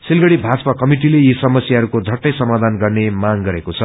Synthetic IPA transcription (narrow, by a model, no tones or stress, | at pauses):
silɡʌɽibʱad͡zpakʌmiʈilejisʌmʌsjaɦʌɾukod͡zʱʌʈːʌjsʌmad̪ʱanɡʌrnemaŋɡʌɾekot͡sʰʌ